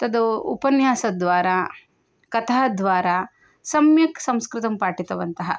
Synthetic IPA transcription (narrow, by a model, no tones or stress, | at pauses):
t̪ɐd̪uṵpɐnjaːsɐd̪ʋaːɾaː | kɐt̪ʰaːɐd̪ʋaːɾaː | sɐmjɐksɐmskɾɪt̪ɐmpaːʈit̪ɐʋɐnt̪ɐɦɐ̰